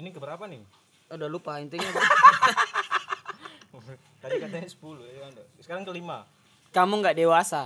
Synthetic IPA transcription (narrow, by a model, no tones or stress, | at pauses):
inikəbəɾapanɪ | udalupaint̪iɲak | adikat̪aɲaisə̥puluada | sə̥kaɾaŋkəlima | kamuŋɡaʔdewasa